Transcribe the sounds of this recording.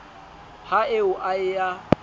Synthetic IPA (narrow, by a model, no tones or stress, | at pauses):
haɪʊʔaɪja